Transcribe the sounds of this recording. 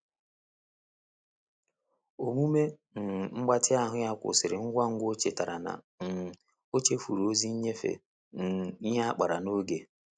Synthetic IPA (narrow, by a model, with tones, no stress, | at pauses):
o˨mu˦me˦ | n̩˨ŋ͡m̩˦ɡ͡ba˦tɪ˦a˦ɦʊ˦ja˦kʷʊ̰˨sɪ˨ɾɪ˨ŋ̩˦ɡʷa˦ŋ̩˦ɡʷo˦t͡ʃe˨ta˨ɾa˨na̰˨ | n̩˨ | o˦t͡ʃe˦fu˨ɾo˦zi˦ɲe˦fḛ˨ | n̩˨˦ɦa˦a˦k͡pa˨ɾa˨no˦ɡe˦